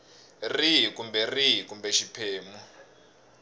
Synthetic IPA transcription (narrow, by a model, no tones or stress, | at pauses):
riɦikumbɛriɦikumbɛʃipʰeːmu